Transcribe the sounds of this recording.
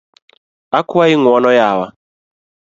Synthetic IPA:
akʰuwaiŋwɔnɔjaːwa

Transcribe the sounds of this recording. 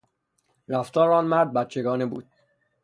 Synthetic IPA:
ɾæft̪ɒːɾɒːnmæɾd̪̚bæt̪t͡ʃʰe̞ɡɒːnebṵːd̪̥

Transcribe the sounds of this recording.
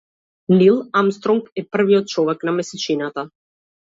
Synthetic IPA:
lilˠamst̪ɾɔŋkɛpr̩viɔt̪̚t͡ʃɔvɛknamɛsɛt͡ʃinat̪a

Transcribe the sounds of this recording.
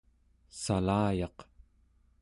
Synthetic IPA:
salaːjɑq

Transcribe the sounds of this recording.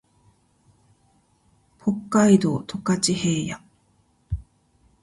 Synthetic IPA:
pʰo̞kːaid̪o̞ːt̪ʰo̞kat͡ɕihe̞ːja

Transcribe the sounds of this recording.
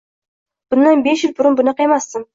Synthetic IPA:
b̥ʊnːanbeʃjɪlbʊɾʊnbʊnɑqemasːɪm

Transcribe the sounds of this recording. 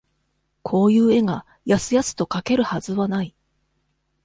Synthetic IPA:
kʰo̞ːjɯ̟ːe̞ɡa | jasɨjasɨ̥t̪o̞kake̞ɾɯ̟hazɨβanai

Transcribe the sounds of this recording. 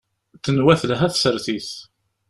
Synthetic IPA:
θːənwæθlɦæθsəɾθiθ

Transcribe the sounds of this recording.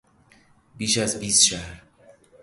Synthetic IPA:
biːʃæzbiːst̪ʃæhɾ

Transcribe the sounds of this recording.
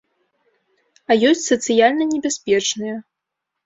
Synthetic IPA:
ɐjɔsʲt͡sʲsɐt̪sɨjalʲnɐnʲɛbʲasʲpʲɛt͡ʂnɨjɐ

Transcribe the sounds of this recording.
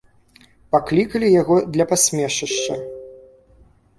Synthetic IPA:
paklʲikɐlʲijaɣɔd̪lʲɐpasʲmʲɛʂɐʂt͡ʂɐ

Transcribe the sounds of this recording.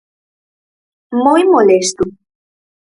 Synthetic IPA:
mojmolest̪u

